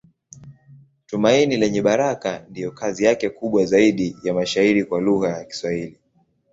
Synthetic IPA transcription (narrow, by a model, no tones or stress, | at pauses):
tumainilɛɲɛɓaɾakandijɔkazijakɛkuɓwazaiɗijamaʃaiɾikwaluɣajaki̥swahili